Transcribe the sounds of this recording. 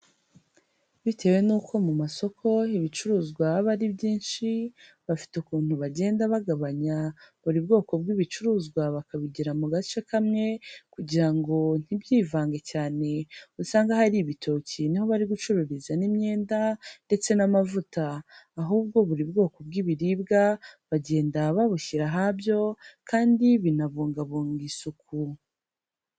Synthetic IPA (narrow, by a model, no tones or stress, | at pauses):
βitʰe̞we̞nuːkʰo̞mumaso̞kʰo̞iβit͡ʃuɾuːzɡwaβaɾibɟiːnʃi | βafi̥tukuːn̥huβaɟe̞ːndaβaɡaβaɲaβuɾibɡo̞ːko̞bɡiːβit͡ʃuɾuːzɡwaβakaβiɟiɾamuɡat͡ʃe̞kamŋe̞kuɟiɾaŋɡo̞n̥ibjiːvaːŋɡecaːne̞usaːŋɡahaɾiβitʰo̞ciniho̞βaɾiɡut͡ʃuɾuɾizanimɲe̞ːndande̞t͡se̞namavutaːɦuːb̚ɡo̞βuɾibɡo̞ːko̞bɡiβiɾibɡaβaɟe̞ːndaβaβuçiɾaɦabjo̞kʰaːndiβinaβuːŋɡaβuːŋɡisuku